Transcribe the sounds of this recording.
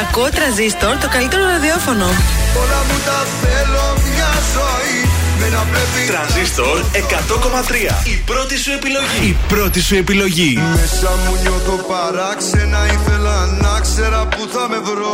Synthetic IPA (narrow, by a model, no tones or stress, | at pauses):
ɐkuot̪ɾɐnzist̪o̞ɾt̪o̞kɐlit̪e̞ɾoɾɐðio̞fo̞noolɐmut̪ɐθeloɲɐzo | imeɐpɾepit̪ɾɐnzist̪o̞ɾe̞kɐt̪o̞ko̞mɐt̪ɾiɐ̰ipɾo̞t̪isue̞pilo̞ʝiipɾo̞t̪isue̞pilo̞ʝimesɐmuɲot̪opɐɾɐksenɐiθelɐnɐkse̞ɾɐpuθɐme̞vɾo